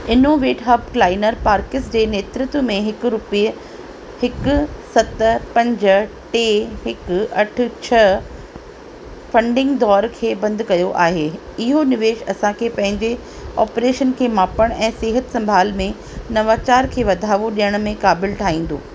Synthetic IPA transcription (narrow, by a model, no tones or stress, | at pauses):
ɪnoːʋeːʈɦɐbklaːɪnəɾpaːɾkɪsd͡ʑeːneːt̪ɾɪt̪ʊmẽɦɪkɾʊpijə | hɪkʊsɐt̪pɐ̃ɲd͡ʑ | ʈeɦɪkɐʈʰʊ̆t͡ɕʰɐ | fɐ̃ɳɖɪ̃ŋɡd̪ɔːɾkʰeːbɐ̃nd̪ʱkɐjoʔaːɦeːɪɦonɪʋeːʃɐsãkʰeːpɐ̃ɦɪ̃ɲd͡ʑe | ɔːpɾeːʃənkʰeːmaːpəɽ̃ɛ̃ːseːɦət̪sɐ̃mbʱaːlmẽ | nɐʋaːt͡ɕaːɾkʰeːʋɐd̪ʱaːʋoɗijəɽ̃mẽkaːbɪlʈʰaːɦĩːn̆d̪o̰ː